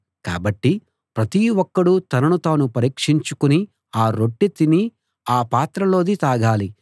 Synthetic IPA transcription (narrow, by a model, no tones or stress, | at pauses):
ka̰ːbɐʈːi | pɾɐt̪iwɔkːɐɽut̪ɐnɐnut̪aːnupɐɾiːkʂiɲt͡ʃukuni | aːɾo̞ʈːit̪ini | aːpaːt̪ɾɐlo̞ːd̪it̪aːɡaːli